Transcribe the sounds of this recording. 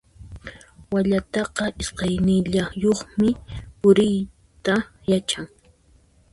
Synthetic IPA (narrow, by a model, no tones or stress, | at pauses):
waʎat̪ɑqɑʔɪsqɑjnɪʎajoχmɪpʊɾɪj | t̪a | jat͡ʃaŋ